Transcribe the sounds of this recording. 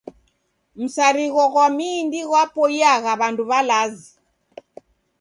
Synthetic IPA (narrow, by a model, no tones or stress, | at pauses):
m̩saɾiɣɔɣwamiːndiɣwapɔjaɣaβanduβalazi